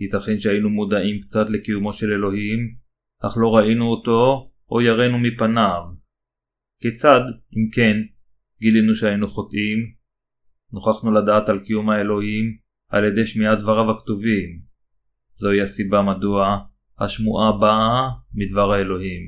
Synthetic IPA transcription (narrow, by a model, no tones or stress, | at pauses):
hit̪aχenʃeainumod̪aʔimkt͡sat̪le̞kijumo̞ʃele̞lo̞ɦim | ʔaχlo̞ʁainuoto̞ʔojaʁenumipanav | ket͡sad̪imke̞n | ɡilinuʃeainuχo̞tʔim | noχaχnuladaːt̪alkijumae̞lo̞him | a̰ljede̞jʃmiad̪vaʁavaktuvim | zo̞iasibamadua | ha̰ʃmuʔabamidvaʁhae̞lo̞ɦim